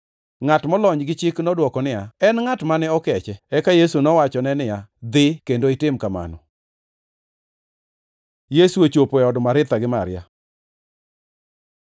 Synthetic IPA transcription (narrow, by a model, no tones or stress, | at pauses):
ŋatmɔlɔɲɡɪt͡ʃɪknɔdwɔkɔnɪaɛnŋatmanɛɔkɛt͡ʃɛɛkajesunɔwat͡ʃɔnɛnɪjad̪ɪkendoɪtɪmkama̰nɔ | jesuet͡ʃopoɛɔdmaɾɪt̪aɡɪmaɾja̰